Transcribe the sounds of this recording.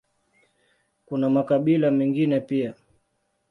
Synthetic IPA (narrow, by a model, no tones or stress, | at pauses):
kunamakaɓilamɛŋɡinɛpia